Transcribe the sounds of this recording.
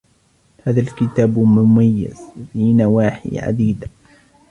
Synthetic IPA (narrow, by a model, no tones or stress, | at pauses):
haːðalkɪt̪aːbmʊmajːɪ̰z̥finawaːħḭʕa̰d̪iːd̪